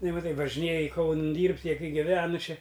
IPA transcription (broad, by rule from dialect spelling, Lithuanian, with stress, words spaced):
nʊ mɐˈtɐɪ ʋɐʒʲɪˈnʲeːjɪ ˈkɐʊnɨn ˈdʲiːrʲpʲtʲ ˈjiɛ ˈkɐɪ ɡʲɪˈʋʲæːnʊ ˈt͡ʃʲɛ